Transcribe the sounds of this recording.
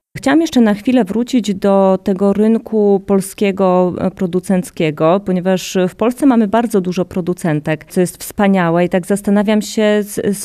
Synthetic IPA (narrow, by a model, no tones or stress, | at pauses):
xt͡ɕawamjɛʂt͡ʂɛnaxfʲilɛvɾut͡ɕid͡ʑd̪ɔt̪ɛɡɔɾɘŋkʰupɔlskʲɛɡɔpɾɔd̪ut̪sɛnt̪skʲɛɡɔpɔɲɛvaʂfpɔlst̪sɛmamɘbaɾd̪zɔd̪uʐɔpɾɔd̪ut̪sɛnt̪ɛk̪sɔjɛst̪fspaɲawɛit̪aɡzast̪anavʲjamɕɛss